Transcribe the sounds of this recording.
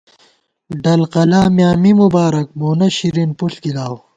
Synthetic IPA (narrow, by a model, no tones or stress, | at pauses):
ɖɐlqɐlaːmjaːmimubaːɾɐk̚boːnɐɕiɾinpuɬkilaːw